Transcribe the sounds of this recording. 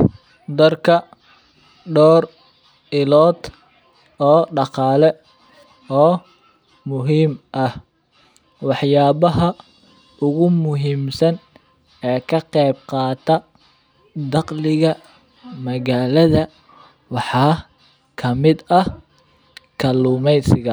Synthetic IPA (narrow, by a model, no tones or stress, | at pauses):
d̪ɐrkʰɐ | ɖɔːr | ɪlɔːd̪ | ɔːɖɑqɑːlɛ | ɔː | mʊɦiːmʔɐh | wɑħjaːβɐɦɐ | ʊɣʊmʊɦiːmsɐn | ɛːkʰɐqɛjb̚qɑːt̪ʰɐ | d̪ɑqlɪɣɐ | mɐɣaːlɐðɐ | wɑħɑː | kʰɐmɪd̪ɐ | kʰɐluːmɛjsɪɣɐ